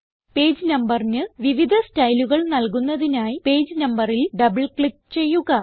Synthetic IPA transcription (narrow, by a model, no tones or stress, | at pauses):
pe̞ːd͡ʑɨnɐmbɐrnɨʋiʋid̪ʱɐstɐjluɣɐɭnɐlkunːɐðinaːjipe̞ːd͡ʑnɐmbɐrilɖɐbɨɭkɭik̚t͡ɕe̞jːuɣɐ